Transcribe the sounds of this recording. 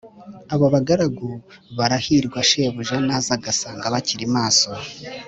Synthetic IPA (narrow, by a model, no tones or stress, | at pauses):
aβoβaɡaɾaɡu | βaɾahiːɾɡwaʃeːβuʒanazaɡasaːŋɡaβaciɾimaːso̞